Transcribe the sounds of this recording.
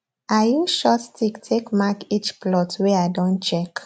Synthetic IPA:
ajuʃɔtstʰiktʰekmakit͡ʃplɔtwɛaɪdɔ̃nt͡ʃɛk

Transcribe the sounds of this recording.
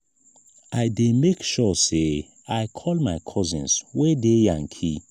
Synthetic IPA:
aɪdemekʃɔse | aɪkʰɔlmaɪkʰɔzĩnswedejãŋkʰḭ

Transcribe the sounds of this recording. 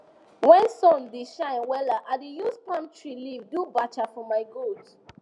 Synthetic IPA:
wɛ̃nsɔ̃ndeʃãɪ̃nwɛlaʔadejuspãntʰɹilivdubat͡ʃafɔmaɪɡod

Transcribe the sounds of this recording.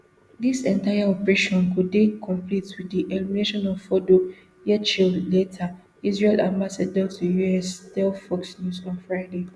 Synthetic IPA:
disɛ̃ntajaɔpɹeʃɔ̃nkuddekʰɔ̃mplitwidiʔɛlimineʃɔ̃nɔvfɔdo | jɛt͡ʃiletʰa | izɹelãnbasadɔksujuɛstɛfɔksnjuzɔ̃nfɹaɪde

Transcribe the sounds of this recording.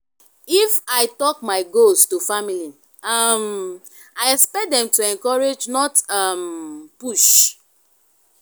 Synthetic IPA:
ifaɪtɔkmaɪɡostufamilin | am | aɪɛspɛt̚dɛ̃mtuɛ̃ŋkɔɹed͡ʒnɔtampuʃ

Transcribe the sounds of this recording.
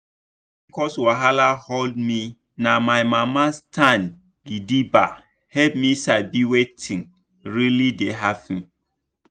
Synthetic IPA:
ikɔswaɦalahɔldmi | namajmamastʰãn | ɡidiba̰ | hɛlp̚misabiwetʰĩŋ | ɹilideɦafĩ

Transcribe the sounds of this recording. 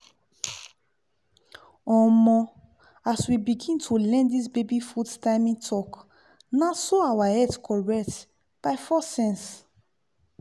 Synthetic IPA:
ɔ̃mɔ̃ | aswibiɡĩntʰulɛ̃ndisbebifudtaɪmĩtʰɔk | nasoawahɛtkʰɔɹɛkt | b̥aɪfɔsɛ̃ns

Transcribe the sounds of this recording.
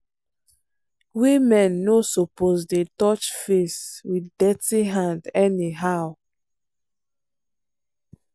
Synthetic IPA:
wimɛ̃nːosopozdetɔt͡ʃfeswidɛtiɦãndɛniɦaʊ

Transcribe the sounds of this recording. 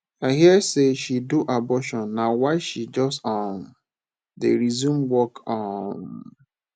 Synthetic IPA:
aɪɦiɛseʃiduʔabɔʃɔ̃nːawaɪʃid͡ʒɔstɔn | deɾizũmwɔkɔm

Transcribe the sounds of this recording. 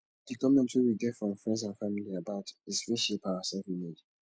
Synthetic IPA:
dəkɔmɛ̃ntwuwiɡɛfɹɔ̃mfɹɛ̃ndszãnfamiliabaʊtizfɹĩʃepaəsɛlfĩmed

